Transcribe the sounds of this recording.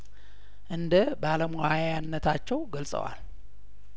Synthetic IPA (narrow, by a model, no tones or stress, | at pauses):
ʔɨnd̪əbaləmuhajjanːət̪ʰat͡ʃːɛwɡəlsʼə̰wa̰l